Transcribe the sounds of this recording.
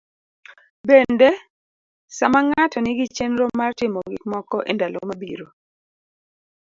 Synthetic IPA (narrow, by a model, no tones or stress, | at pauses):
bende | samaŋatɔnɪɡɪt͡ʃenɾomartɪmɔɡɪkmɔkɔʔendalo̰mabiɾo